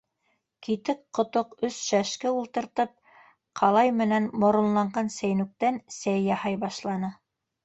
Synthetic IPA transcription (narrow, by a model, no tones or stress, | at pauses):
kit̪ɘkqːŏt̪oqɵsʃæʃkɘulˠt̪ɤ̆ɾt̪ɤp̚ | qʰɑlˠɑjmɘ̆nænmŏɾŏnlˠɑɴɢɑnsæjnʉk̚t̪ænsæjːɑhɑjbɑʃlˠɑnɤ